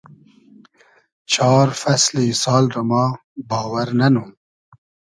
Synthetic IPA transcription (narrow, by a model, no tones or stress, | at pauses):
t͡ʃɑːɾfɐslesɑːlɾamɑː | bɑːwɐɾnɐnum